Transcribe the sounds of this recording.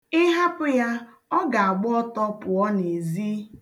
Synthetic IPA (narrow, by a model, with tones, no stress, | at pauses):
ɪ˦ɦa˦pʊ˦ja˦ | ɔ˦ɡa˨a˨ɡ͡bɔ˦ɔ˦tɔ˦pʊ˨ɔ˦ne˨zi˦